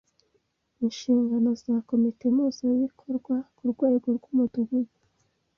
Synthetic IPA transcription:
inʃiːŋɡano̞zako̞mitemuːzojikʰoɾɡwakuɾɡwaːɡoɾɡwumuduɡuɡu

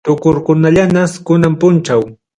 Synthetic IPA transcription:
t̪ʊkʊɾkʊnaʎanaskʊnampʊnt͡ʃaw

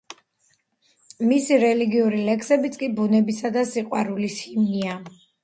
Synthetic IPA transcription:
misiɾɛliɡiuɾilɛkʰsɛbit̪sʼkʼibunɛbisad̪asiqʼwaɾulisimnia

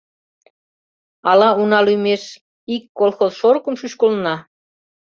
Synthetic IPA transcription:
ɑlɑunɑlymeʃ | ikːolˠxozʃorkə̆mʃyɕkolnɑ

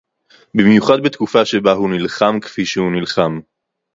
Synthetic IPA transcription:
bimjuχad̪̚bet̪kufaʃebaɦunilχamkfiʃehunilχam

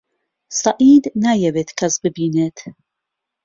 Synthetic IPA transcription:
sɐʔiːd̪naːjɛweːt̪kʰɐsbɨbiːneːt̪ʰ

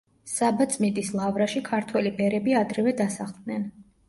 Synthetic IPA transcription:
sabat̪sʼmid̪islˠavɾaʃikʰaɾt̪ʰwɛlibɛɾɛbiad̪ɾɛvɛd̪asaχlˠd̪nɛn

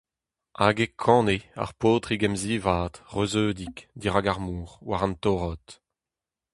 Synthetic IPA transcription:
aɡekʰɑ̃ːnea̰ʁpoːt̪ʁiɡɛmziːvaːt̪ʁøzøːd̪ikd̪iʁaɡaʁmuːʁwaʁãnt̪ɔːʁɔt̪

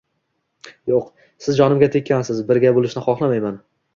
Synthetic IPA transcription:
joq | sɪzd͡ʒɒnɪmɡʲat̪ʰekʲʰːansɪzbɪɾɡʲabolˠɪʃnɪχɒχlˠamajman

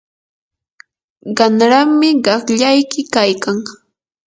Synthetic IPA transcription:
ɢɑnɾammɪɢɑχʎajkɪkajkaŋ

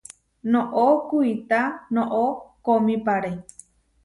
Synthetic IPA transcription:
nõʔokuit̪anõʔokomĩpaɾe

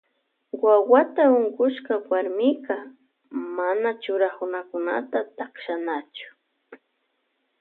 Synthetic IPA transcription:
wawat̪aʊŋɢʊʃkawaɾmɪkɑ | manat͡ʃʊɾaχʊnakʊna̰t̪at̪akʃanat͡ʃʊ̥

